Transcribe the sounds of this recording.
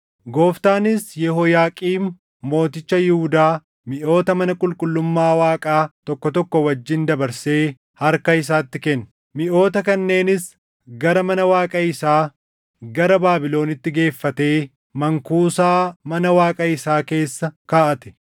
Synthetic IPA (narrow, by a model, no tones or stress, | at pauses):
ɡo̞ːft̪aːnɪsjɛhoːjaːkʼiːmː | o̞ːt̪ɪt͡ʃːɐjɪhʊd̪aː | mɪʔo̞ːt̪ɐmɐnɐkʼʊlkʼʊlːʊmːaːwaːkʼaːt̪ɔkːɔt̪ɔkːɔwɐd͡ʒːɪnd̪ɐbɐɾse̞ː | hɐɾkɐɪs̬aːt̪ːɪkɛn | mɪʔo̞ːt̪ɐkɐnːe̞ːnɪs | ɡɐɾɐmɐnɐwaːkʼɐɪsaː | ɡɐɾɐbaːbɪlo̞ːnɪt̪ːɪɡe̞ːfːɐt̪e̞ː | mɐŋkuːsaːmɐnɐwaːkʼɐɪsaːke̞ːsːɐkaːʔɐt̪ɛ̥